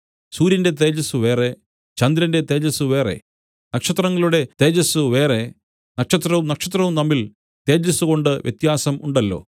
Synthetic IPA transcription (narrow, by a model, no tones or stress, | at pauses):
suːɾjɐnde̞t̪̬e̞ːd͡ʑɐsuʋe̞ːre̞ | t͡ɕɐnd̪ɾɐnde̞t̪e̞ːd͡ʑɐsuʋe̞ːre̞̰ | nɐkʂɐt̪rɐŋːɐɭuɽe̞t̪e̞ːd͡ʑɐsuʋe̞ːre | nɐkʂɐt̪rɐumnɐkʂɐt̪rɐʋumnɐmːil | t̪e̞ːd͡ʑɐsuɣo̞ɳɖɨʋjʔet̪jaːsɐmuɳɖɐlːo̞̰ː